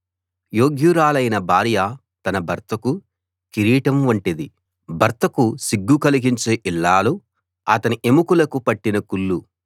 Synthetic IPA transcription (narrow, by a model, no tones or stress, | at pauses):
joːɡjuɾaːlɐjnɐbʱaːɾja | t̪ɐnɐbʱɐɾt̪ɐku | kiɾiːʈɐmʋuɳʈid̪i | bʱɐɾt̪ɐkusiɡːukɐliɡiɲt͡ʃeːʔilːaːlu | ɐ̰t̪ɐniʔemukulɐkupɐʈːinɐkulːu